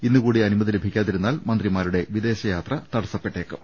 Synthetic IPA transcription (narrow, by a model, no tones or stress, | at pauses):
inːukuːɽiɐnimɐðilebʱikʲːaːt̪ːiɾunːaːlmɐnd̪rimaːɾuɽe̞ʋid̪e̞ːɕɐjaːt̪rɐt̪ɐɽɐsɐpːe̞ʈːe̞ːkːɨm